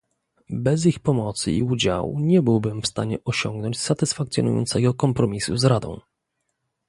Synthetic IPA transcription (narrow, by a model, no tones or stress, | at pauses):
bɛzixpɔmɔt̪sɨ̰ḭud͡ʑa̰wṵɲɛbɘwbɘmfst̪aɲɛʔɔɕɔŋɡnɔɲt͡ɕsat̪ɘsfakt̪jɔ̰nṵjɔ̰nt̪sɛɡɔkɔmpɾɔmʲisuzɾad̪ɔ̰̃w̃